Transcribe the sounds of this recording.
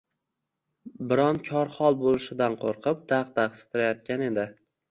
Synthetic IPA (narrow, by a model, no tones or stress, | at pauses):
bɪɾɒnkʲʰɒɾχɒlˠbolɪʃɪd̪anqʰoɾqʰɨp̚d̪aqd̪aqsɪ̥t̪ʰɪɾajɒt̪̚kʲane̞d̪ɪ